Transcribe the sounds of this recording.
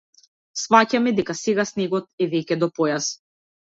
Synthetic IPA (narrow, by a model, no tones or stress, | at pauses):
svacamɛd̪ɛkasɛɡasnɛɡɔt̪̚ɛvɛcɛd̪ɔpɔjas